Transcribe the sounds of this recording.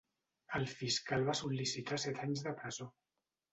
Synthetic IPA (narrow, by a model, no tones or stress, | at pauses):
əlˠfiskalˠβasulːisit̪asɛt̪aɲzðəpɾəzo